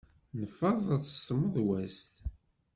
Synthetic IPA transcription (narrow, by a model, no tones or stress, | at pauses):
nəfːəðˤæt͡sːə̥sməðˤwæst̪